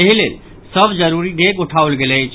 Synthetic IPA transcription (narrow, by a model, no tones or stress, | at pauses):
eɦilḛl | səbʱd͡ʒəɾuɾiɖekuʈʰaolɡeləjt͡ʃʰ